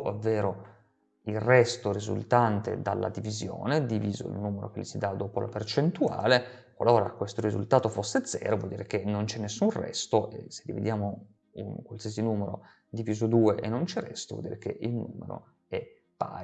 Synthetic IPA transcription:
avːeːɾo | ilrɛst̪oɾizṵlt̪ant̪ḛd̪alːa̰d̪ivizjo̰ːned̪iviːzo̰ḭlnuːmeɾʔo̰k̟elːisid̪ad̪oːpolʔa̰pert͡ʃent̪ua̰ːle | kwa̰loːɾakwest̪oɾizṵlt̪aːt̪ofosːed̪zɛ̰ːɾovwɔ̰ld̪iːɾek̟enont͡ʃɛnːesːunrɛ̰st̪oʔḛsed̪ivḛd̪jaːmo | unkwalsiːesinuːmeɾo̰ | d̪iviːzod̪uːeʔenːont͡ʃɛrɛst̪ovɔ̰ld̪iːɾek̟ḛʔilnuːmḛɾo̰ | ɛ | pːa̰

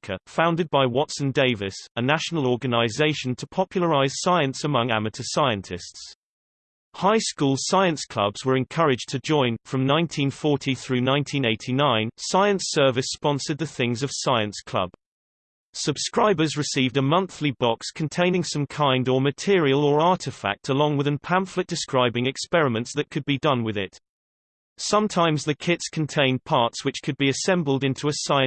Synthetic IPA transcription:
kʰə̰fãʊ̃ndɪd̚baɪwɒtsə̃ndeɪvɪsənaʃənəl̩ˠɔːɡənaɪzeɪʃə̃ntʰəpʰɒpʰjl̩ˠəɹaɪz̥saɪə̃nsəmʌ̃ŋa̰mətʰəsaɪə̃ntʰɪsts | haɪskuːlˠsaɪə̃nskʰl̥ʌ̰bz̥wə˞ɨ̃nkʰʌɹɪd͡ʒtʰəd͡ʒɔ̃ɪ̃nfɹə̃mnãɪ̃ntʰĩnfɔɹtʰiθɹʉːnãɪ̃ntʰĩneɪtʰinãɪ̃nsaɪə̃nsɜ˞vɪspɒ̃nsə˞d̪̚ðəθɪ̃ŋzəv̥saɪə̃nskʰl̥ʌ̰b̥ | səb̥skɹaɪbə˞zɹɨsiːvdəmʌ̃nθlibɑkskʰɨ̃n̩tʰẽɪ̃nɪ̃ŋsʌ̃mkʰãɪ̃ndə˞mɨtʰɪəɹiəlˠə˞ɑɹɾɨfæ̰k̚tʰəlɔ̃ŋwɨðɨ̃npʰæ̃ɱflɨt̚d̥ɨskɹaɪbɪ̃ŋɨkspɛɹɨmə̃ntsðɨt̚kʰɨd̚bidʌ̃nwɨðɪ̰t | sʌ̃mtʰãɪ̃mzðɨkʰɪtskʰə̃n̩tʰẽɪ̃npʰɑɹtswɨt͡ʃkʰɨd̚biɨsɛ̃mbəl̩ˠdɪ̃ntʰuəsaɪɨ̃

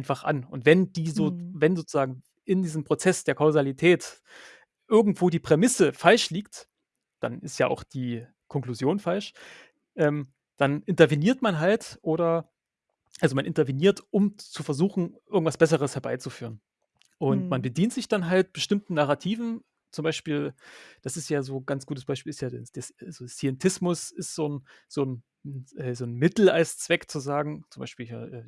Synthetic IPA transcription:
ʔaɪnfaχʔa̰nʊntv̥ɛnd̥iːzoːvɛnzoːt͡suz̥aːɡŋ̩ | ɪndiːzəmpʁ̥ot͡sɛsd̥eːɐkʰaʊzalitʰɛːt | ʔɪɐɡŋ̩tv̥oːdiːpʁ̥emɪsəfalʃliːkt | d̥a̰nɪstjaːʔa̰ʊxd̥iː | kʰɔŋkl̥uzjoːnfalʃ | ʔɛːm | d̥anʔɪntɐveniːɐtmanɦaltʔoːɾɐ | ʔalzomanʔɪntɐveniːɐtʔʊmt͡sufɛɐzuːxn̩ʔɪɐɡŋ̩tv̥asb̥ɛs̬əʁ̞əshɛɐbaɪt͡sufyːʁən | ʔʊntmanbədiːntz̥ɪçd̥anɦalt̚b̥əʃtɪmtn̩naʁatʰiːvn̩ | t͡sʊmbaɪʃpiːld̥asɪstjaːzoːɡ̥ant͡sɡ̥uːtəsb̥aɪʃpiːlɪstjaːed̥ɛsazosiɛntʰɪsmʊsɪstz̥oːn | z̥oːn | ʔɛːzoːnmɪtl̩aɪst͡sv̥ɛkt͡suzaːɡŋ̩t͡sʊmbaɪʃpiːlɦiːɐʔɛː

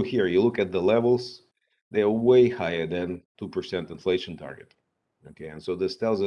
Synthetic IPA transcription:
ʊhiɹjɨlʊkɨt̪̚ðəlɛvl̩ˠz | ðeə˞weɪhaɪə˞ðɨ̃ntʰupə˞sɛ̃ntɨ̃nfleɪʃɨ̃ntʰɑ̰ɹɡɨt | okʰeɪɨ̃nsoʊðɪstɛlˠzə

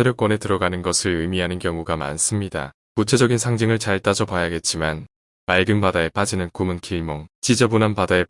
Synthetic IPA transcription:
eɾok͈wʌne̞tɯɾʌɡanɯnɡʌsʰɯɭɯmiɦanɯnkjʌŋuɡama̰ns͈ɯmɲida̰ | kut͡ɕʰe̞d͡ʑʌɡinsʰaŋd͡ʑiŋɯɭt͡ɕaɭt͈ad͡ʑʌpajaɡe̞t̚t͡ɕ͈iman | maɭɡɯmbadae̞p͈ad͡ʑinɯnkumɯnkʰiɭmoŋt͡ɕid͡ʑʌbunanpadae̞

